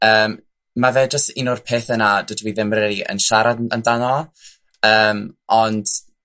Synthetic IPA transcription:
əːm | mːaveːd͡ʒəstɪnʊrpʰeːθənad̥wədwiːðɪmrɛdiʔə̰nʃaɾadandanɔ | əːmɔnd̥

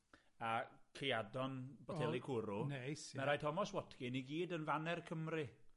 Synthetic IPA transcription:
akʰeadɔnb̥ɔtɛlˠikʰuɾunesmɛɾajtʰɔmɔswɔtʰkɪniɡiːdənvanɛrkʰəmrɪ

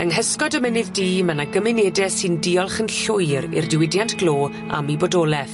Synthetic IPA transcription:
əŋɦəskɔdəmənɪðdiːmanaɡəmɪnedɛsɨndiɔlˠχənɬʊjɾɪ̰rdɪwɪdjantʰɡ̥lˠoː | a̰mibɔdɔːlˠɛθ

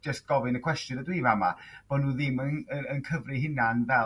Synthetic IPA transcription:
d͡ʒəs̚ɡ̥ɔvɨnəkʰw̥ɛstjʊnədwivama̰b̥ɔdnːuːðɪmənəənkʰəvrɨɦɪnanvɛ

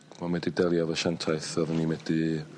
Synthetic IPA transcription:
mamɛdidɛlˠjaðəʃantʰaɨθɔðənimɛdi

